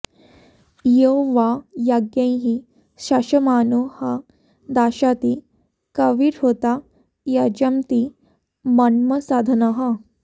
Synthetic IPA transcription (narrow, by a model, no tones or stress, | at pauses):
jeɦoʋajaɡjãj̃ɦi | ɕaɕɐmaːnuhɐ | d̪aːɕat̪i | kɐʋiɾɦot̪a | jɐd͡ʑɐmt̪i | mɐnmɐsaːd̪ʱɐnɐɦɐ